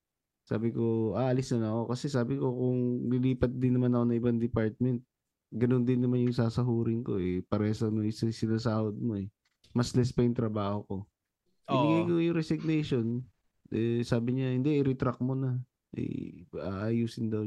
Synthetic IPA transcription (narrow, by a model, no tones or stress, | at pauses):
sa̰ːbɪko̞ʔaːʔɐlɪsnɐnɐko̞kɐsɛsaːbɪko̞kʊŋlɪliːpɐt̪̚d̪ɪnːɐmanɐko̞nɐŋʔɪband̪ɪpaɹt̪̚mɛnt̪̚ | ɡɐnond̪ɪnːɐmanjʊŋsaːsɐɦuːɾɪŋko̞ɛpɐɾɛːsonoŋssɪnaːsaːhod̪̚mo̞ɛ | mɐslɛspɐjʊŋt̪ɾɐbaːho̞ko̞ | kɡɐjkojʊŋɾɛsɪɡ̚nɛjʃo̞n | ʔɛsaːbɪɲahɪnd̪ɛʔɪɾɛt̪ɾak̚mo̞nɐ | ʔɛ̰a̰ʔajuːsɪnd̪ɐw